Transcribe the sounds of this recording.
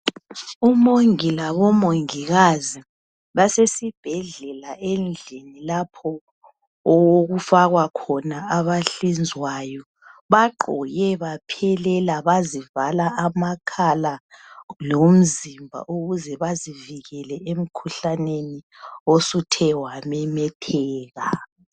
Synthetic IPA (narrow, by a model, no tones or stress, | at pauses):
umoŋilaβɔmoŋiɣazi | βasesib̥ʱɛɮɛlaʔɛnd͡ɮʱenilapʰɔ | ɔwoɣufaɣwakʰɔnaaβaɬind͡zʱwajɔ | βaǃʱɔ̰jɛβapʰɛlɛlaβazivalaamakʰalalom̩zimbʱa̰ʔoɣuzɛβaziviɣɛlɛʔem̩kʰuɬaneni | osutʰɛwamɛmɛtʰɛːɣa